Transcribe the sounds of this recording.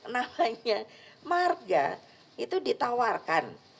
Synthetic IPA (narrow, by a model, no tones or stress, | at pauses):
namaɲamarɡa̰ | it̪udit̪awarkan